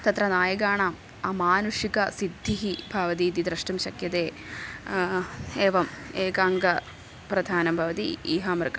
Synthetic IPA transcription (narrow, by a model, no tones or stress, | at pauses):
t̪ɐt̪ɾɐnaːjɐɡaːɳɐm | ɐmaːnuʂikɐsid̪ʱːiɦibʱaʋɐt̪iːt̪id̪ɾɐʂʈɐmʃɐkjɐt̪eː | eːʋɐmeːkaːŋɡɐ | pɾɐd̪ʱaːnɐmbʱɐʋɐt̪ḭiːɦɐmɾkɐ